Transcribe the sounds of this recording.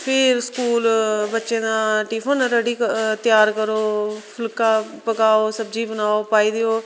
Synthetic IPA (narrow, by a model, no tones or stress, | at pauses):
pʰɪɾskuːlbətːʃẽːd̪ãːʈiːpʰənɾəɽiːkt̪ɪjaːɾkəɾoːpʰʊlkãːpəkaːoːsəbd͡ʒiːbənaːoːpaːiːd̪ɪjoː